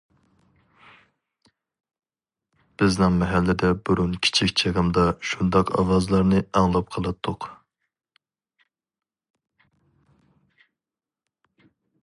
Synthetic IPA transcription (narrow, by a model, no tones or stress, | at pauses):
b̥ɪznɪŋmɛɦælːɪd̪ɛbuɾunkʲʰi̥t͡ʃʰikʲt͡ʃʰeʁəmd̪ɑʃund̪ɑqʰɑ̰wɑzlˠɑɾnɨɑŋlˠɑp̚qʰəlˠɨt̪ʰːʊq